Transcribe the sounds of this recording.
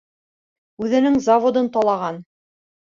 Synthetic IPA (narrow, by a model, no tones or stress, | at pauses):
ʉðɘ̆nɘŋzavod̪ɤnt̪ɑlˠɑʁɑn